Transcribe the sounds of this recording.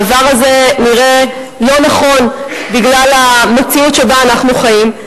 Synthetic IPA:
vaʁazeniʁe̞ | lonaχo̞nbiɡlalamet͡siutʃebaːnaχnuχajim

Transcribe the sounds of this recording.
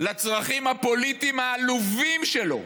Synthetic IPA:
lat͡sʁaχimhapo̞lit̪imaːluvimʃelo̞̰

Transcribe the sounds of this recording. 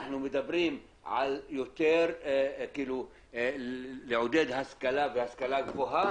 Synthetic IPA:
aħnumɪd̪abɾiːm | ʕa̰ljʊt̪eːɾkilu | lɪʕʊd̪eːd̪haskalaːfɪhaskalaːk̪fuɦa

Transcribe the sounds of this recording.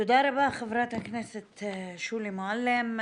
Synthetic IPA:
ʊd̪ɑːɾˤabaʔxavɾɑːt̪aknɛset̪ʃuːlimoʕalːem

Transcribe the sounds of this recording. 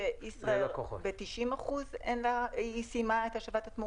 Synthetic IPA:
eisʁaelkoχobetiʃimaχuzenlaisimaet̪haʃavat̪at̪mu

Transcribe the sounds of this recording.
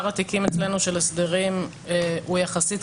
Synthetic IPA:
ʁat̪ikimet͡slenuʃe̞lesd̪eʁim | eujaχasit

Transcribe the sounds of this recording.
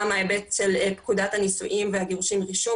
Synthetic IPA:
maebett͡ʃelpkudathanisṵʔimveaɡeʁuʃimʁiʃu

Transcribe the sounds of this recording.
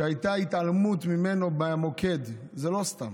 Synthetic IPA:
eajt̪ait̪almut̪mimenobemokʰed̪ | zelo̞st̪a̰m

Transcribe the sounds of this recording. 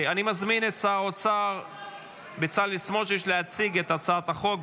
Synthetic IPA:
animazminet̚t͡saʁot͡saʁ | bet͡salismoʃejɛʃleat͡siɡet̪at͡sat̪aχo̞k

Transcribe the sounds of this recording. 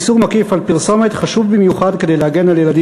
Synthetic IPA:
suʁmakifalpiʁsomet̪χaʃuvbimjuχad̪kedejlehaɡe̞naljelad̪i

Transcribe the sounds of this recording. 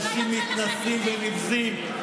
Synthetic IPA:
ʃimːit̪nasimvenivzim

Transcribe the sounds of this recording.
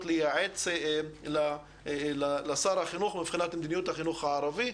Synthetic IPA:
t̪lejaʕet͡sla | lalasaɾhaχinuχmipχinat̪med̪inijut̪haχinuχhaʕaɾavi

